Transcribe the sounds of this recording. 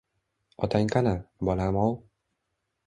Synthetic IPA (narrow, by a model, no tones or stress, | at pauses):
ɒt̪ʰaŋkʰanabɒlamɒw